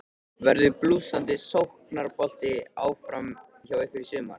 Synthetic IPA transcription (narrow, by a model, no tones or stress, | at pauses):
vɛɾðʏpluːsant̪ɪsowhknaɾpɔl̥t̪ɪaːwfɾam | çaːwɛhkɪɾisʏːma̰ɾ̥